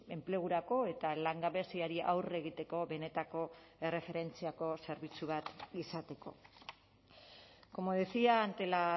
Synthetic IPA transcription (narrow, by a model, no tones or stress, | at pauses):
e̞mple̞ɣ̞uɾako̞e̞t̪alaŋɡaβe̞siaɾiʔa̰wre̞ɣ̞it̪e̞ko̞βe̞ne̞t̪ako̞e̞re̞fe̞ɾe̞nt͡siako̞se̞ɾβit͡suβ̞at̪isat̪e̞ko̞̰ | ko̞moðesiaːnt̪e̞la